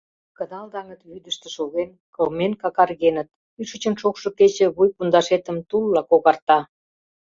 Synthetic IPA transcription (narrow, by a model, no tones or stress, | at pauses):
kənɑld̪ɑŋət̪βyd̪əʃt̪ĕʃoɣenkolmenkɑkɑrɣenət̪̚ | yʃə̆t͡ɕə̆nʃokʃŏket͡ɕĕβujpund̪ɑʃet̪ə̆mt̪ulːɑkoɣɑrt̪ɑ